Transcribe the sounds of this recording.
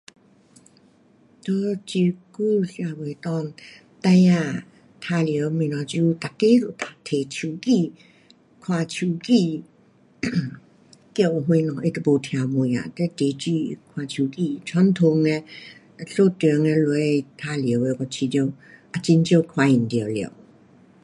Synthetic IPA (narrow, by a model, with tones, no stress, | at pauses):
t̪o˧˦t͡ɕi˧ku˥˧˨ɬja˨we˨t̪ɔ˧˨n | t̪a˧˦ja˧˨ | t̪ʰa˧ljə˨˧˦wmĩ˧˨nã˨˧t͡ɕu˧t̪a˨ke˦zo˨t̪a˨t̪ʰe˨t͡ɕʰu˨˩ki˧˨ | kʰwa˨t͡ɕʰu˨˧˩ki˧ | kjə˥˧˨wʔɦwẽ˧nɔ̃˨ʔi˧t̪ə˨˧˨bo˨t̪ʰj̃ã˨mu˨ja̰˨t̪ɛ˦t̪e˨˦t͡ɕi˧kʰwa˨˧t͡ɕʰu˨ki˧˨t͡ɕʰa˧˦n˦t̪ʰo˧˨ŋɛ˧ | ɬo˥˧˨t̪ə˨ŋɛ̃˧lu˧e˧t̪ʰa˧ljə˨˦we˧kɔ˧t͡ɕʰi˧t̪jo˧˨ | ʔa˧t͡ɕi˧˦nt͡ɕjo˥˧˨kʰwa˧˨i˨nt̪jə˨ljə̰˨